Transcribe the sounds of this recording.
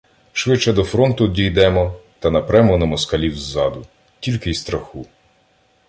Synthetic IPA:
ʃʋɪt͡ʃːɛd̪ɔfɾɔnt̪ʊdʲijd̪ɛmɔt̪ɐnɐpɾɛmɔnɐmɔskɐlʲiwzːɑd̪ʊ | tʲilʲkɪist̪ɾɐxu

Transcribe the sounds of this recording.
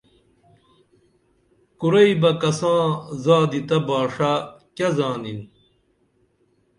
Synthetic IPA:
kuɾɐibɐkɐsãːzaːd̪it̪ɐbaːʂakɐzaːnin

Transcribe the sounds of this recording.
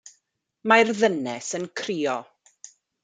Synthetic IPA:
marðənɛsənkʰriːɔ

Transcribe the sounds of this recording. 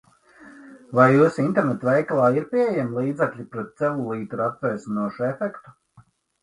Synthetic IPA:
vajːusint̪ɛɾnɛt̪vɛjklˠɑːiɾpʲiejɛmlˠiːd̪zɛklʲipɾɛt̪̚sɛlulˠiːt̪uɾat̪̚pɛjsinuɔʃuefɛkt̪u̥

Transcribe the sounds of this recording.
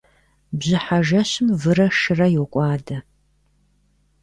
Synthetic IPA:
bʑɪħaʒɐɕɪmvɨrɐʂɨrɐjɛwkʷʼɑːdɐ

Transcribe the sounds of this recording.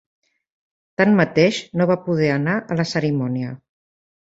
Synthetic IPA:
t̪anmət̪eʃnoβapuð̞ɛənaʔələsəɾimɔniə

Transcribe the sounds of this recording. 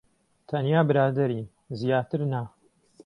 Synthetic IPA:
t̪ʰɐnjaːbɨɾaːd̪ɐɾi | zjaːt̪ɨɾna

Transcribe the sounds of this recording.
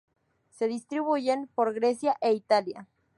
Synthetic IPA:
se̞ðist̪ɾiβuʝenpoɾɣɾesjaʔeit̪alja̰

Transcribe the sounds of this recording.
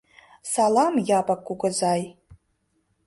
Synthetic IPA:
salamjapʼakʼʷːuɡʷazaj

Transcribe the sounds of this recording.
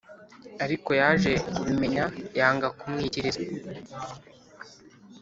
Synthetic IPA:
aɾiko̞jaʒe̞kuβime̞ɲajaːŋɡakumŋiːiɾiza

